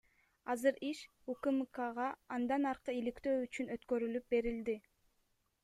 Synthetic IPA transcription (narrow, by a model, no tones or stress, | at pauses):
ɑzɯɾiʃ | ukɨmkɑʁɑːnd̪ɑnɑɾqɯilikt̪øːyt͡ʃynø̞t̪kø̞ɾylyp̚be̞ɾild̪i